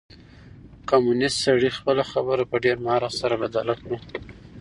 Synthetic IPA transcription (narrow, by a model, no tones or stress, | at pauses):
kɑmunɪstsaɽixpəlaxabəɾapəɖeɾmɑɾɑsaɾabad̪ɑlaknu